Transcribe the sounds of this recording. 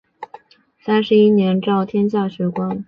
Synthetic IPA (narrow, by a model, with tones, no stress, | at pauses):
sa˥nʂɻ̩˧˥i˥njɛ˧˥nʈ͡ʂɑ˥˩ʊt̪ʰjɛ˥nt͡ɕja˥˩ɕɥɛ˧˥kwa˥n